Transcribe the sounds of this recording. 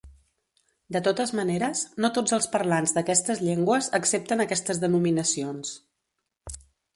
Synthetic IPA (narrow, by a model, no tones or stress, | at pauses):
d̪ət̪ot̪əzməneɾəsnot̪od͡zəlˠspərlanzd̪əkɛst̪əzʎeŋɡwəzəksep̚t̪ənəkɛst̪əzðənuminəsions